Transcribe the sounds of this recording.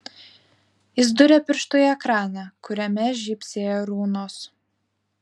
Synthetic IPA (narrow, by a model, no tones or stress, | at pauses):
ɪzd̪ʊɾʲɛpʲɪɾʃt̪ojɛkɾɑːnʲɛkʊɾʲɛmʲɛʒʲipʲsʲeːjoɾuːnoːs